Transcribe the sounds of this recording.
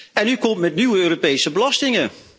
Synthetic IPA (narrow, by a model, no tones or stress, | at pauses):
ɛnykɔmtmɛtnywəøːropejsəbəlɑstɪŋə